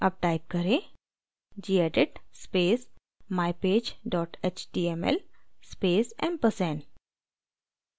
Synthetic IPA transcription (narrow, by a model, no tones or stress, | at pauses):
ɐb̚ʈaːɪp̚kɐɾẽ | d͡ʒiːɛːɖɪʈspeːs | maːjpeːd͡ʒɖɔːʈet͡ʃʈiːemɛ̰lspeːsɛ̰̃mpəsɛ̃ːn